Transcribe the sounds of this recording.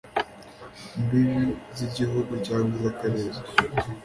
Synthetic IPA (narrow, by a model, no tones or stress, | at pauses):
mbiβiziɟiɦuɡucaːŋɡuzakaɾeːɾa